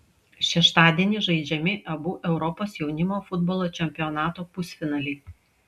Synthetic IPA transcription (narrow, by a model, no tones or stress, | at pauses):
ʃʲɛʃt̪ɑːd̪ʲiɛnʲɪʒɐɪd͡ʒʲɛmʲɪʔɐbuːʔɛʊɾɔpoːsjɛʊnʲɪmoːfʊd̪bɔːlˠoːt͡ʃʲɛmʲpʲɪɔnɑːt̪oːpʊsʲfʲɪnɑːlʲɛɪ